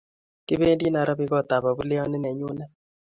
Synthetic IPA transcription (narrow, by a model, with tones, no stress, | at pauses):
kɪ˦βe˦ndi˦na˨ɾa˦bi˦kɔ˦˨ta˨βa˨βu˦le˦ɔ˦nɪ˦nɛ˨ɲu˦nɛ˦